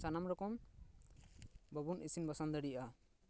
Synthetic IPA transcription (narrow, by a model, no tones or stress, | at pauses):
sanamɾɔkɔm | bɔbunisinbɔsand̪əɽiʔa